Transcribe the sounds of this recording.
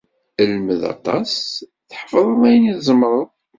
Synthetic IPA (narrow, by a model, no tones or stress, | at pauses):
əlməðɑ̰t̪ˤɑ̰s | θħə̥fðˤəðˤæjniθzˤəmɾˤəðˤ